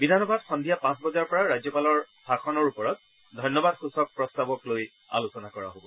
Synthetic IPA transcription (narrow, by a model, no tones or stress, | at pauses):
bidʱanɔbadxɔndʱijapãsbɔzaɹpɔɹaɹazjɔpalɔɹ | bʱaxʰɔnɔɹupɔɹɔt̚ | dʱɔjnɔbadxusɔk̚pɹɔstabɔkloj | a̰lusɔnakɔɹa̰ɦobɔ